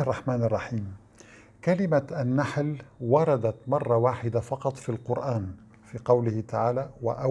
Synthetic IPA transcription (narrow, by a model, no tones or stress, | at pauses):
rˤːɑħmaːnɑrˤːɑħiːm | kalɪmaʔanːaħlwɑɾˤɑd̪at̪mɑrˤːɑwaːħɪd̪afɑqɑt̪ˤfiːlqʊɾʔaːn | fiːqɑwlɪhɪt̪aʕaːlaːwa̰ʔa